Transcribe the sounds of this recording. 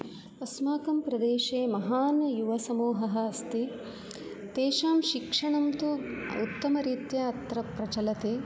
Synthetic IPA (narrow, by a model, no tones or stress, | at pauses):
ɐsmaːkɐmpɾɐd̪eːʃeːmɐɦaːnjuʋɐsɐmuːɦɐɦɐ̆ɐst̪i | t̪eːʃaːmʃikʂɐɳɐmt̪uṵt̪ːɐmɐɾiːt̪jɐɐt̪ɾɐpɾɐt͡ʃɐlɐt̪eː